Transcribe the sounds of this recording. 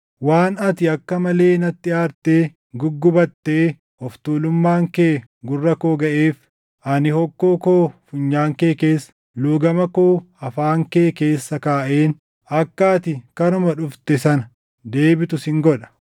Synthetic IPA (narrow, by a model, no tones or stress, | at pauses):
waːnɐt̪ɪɐkːɐmɐle̞ːnɐt̪ːɪaːɾt̪eː | ɡʊɡːʊbɐt̪ːeː | ɔft̪uːlʊmːaːŋkeː | ɡʊrːɐkoːɡɐʔeːf | ʔɐnɪhɔkːoːkoːfʊɲːaːŋkeːke̞ːsːɐ̥ | luːɡɐmɐko̞ː | ɐfaːŋkeːke̞ːsːɐkaːʔeːn | ɐkːaːt̪ɪkɐnʊmɐᶑʊft̪ɛsɐnɐ | d̪e̞ːbɪt̪ʊsɪŋɡɔᶑɐ̥